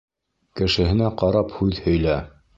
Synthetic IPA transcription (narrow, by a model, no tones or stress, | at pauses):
kɘ̆ʃɘ̆hɘ̆næqɑɾɑphʉðhɵ̆jlæ